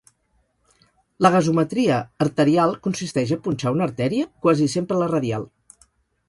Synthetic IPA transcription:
ləɣ̞əzumət̪ɾiəːɾt̪əɾialˠkunsist̪ɛʒəpunʲt͡ʃaunəɾt̪ɛɾiəkwazisempɾələrəðia̰lˠ

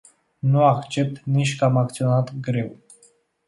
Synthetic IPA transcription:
nuakt͡ʃe̞p̚t̪nit͡ʃʲkəamak̚t̪sio̞nat̪ɡɾe̞w

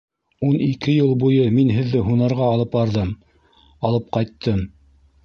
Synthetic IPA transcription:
unikɘjɤlˠbujɤminɦɘ̆ðːɘɦunɑɾʁɑːlˠɤpbɑɾðɤm | ɑlˠɤp̚qɑjt̪ʰːɤm

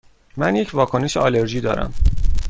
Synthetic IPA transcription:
mænje̞cʰvɒːkʰo̞neʃeɒːle̞ɾʒiːd̪ɒ̰ːɾæ̰m

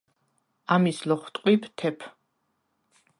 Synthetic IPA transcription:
amislɔχwt̪ʼqʼwipʰt̪ʰɛpʰ

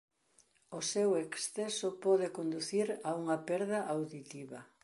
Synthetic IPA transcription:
ʊseweksθesopɔðɪkond̪uθiɾauŋɐpɛɾðɐʔawðit̪iβɐ

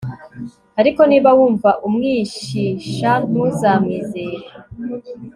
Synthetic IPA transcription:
aɾiko̞niːβawuːɱvaʔumŋiːʃiʃaŋ̥uzaːmŋiːzeːɾe

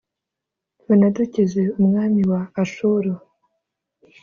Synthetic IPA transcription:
βonaducezeumŋaːmiwaːʃuɾo

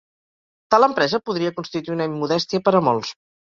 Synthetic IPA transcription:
t̪aləmpɾɛzəpuðɾiəkunst̪it̪uiunəimːuðɛst̪iəpəɾəmɔlˠs

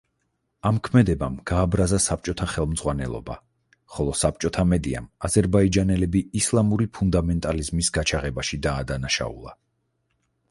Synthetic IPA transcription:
amkʰmɛd̪ɛbamɡ̥aːbɾazasap̚ʰt͡ʃʼɔt̪ʰaχɛlˠmd̪z̥ʁwanɛlˠɔ̰ba̰ | χɔlˠɔsap̚t͡ʃʼɔt̪ʰamɛd̪ia̰mazɛɾbaid͡ʒanɛlɛbiːslˠamuɾipʰund̪amɛnt̪ʼalizmisɡat͡ʃʰaʁɛbaʃid̪aːd̪anaʃa̰ṵlˠa̰

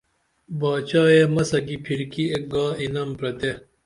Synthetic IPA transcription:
baːt͡ɕaːjeːmɐsɐɡipʰiɾkiek̚ɡaːinɐmpɾɐt̪e

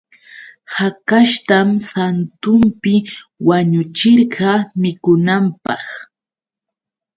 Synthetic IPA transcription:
hakaʃt̪amsant̪ʊmpɪwaɲʊt͡ʃɪɾɢɑmɪkʊnampɑχ

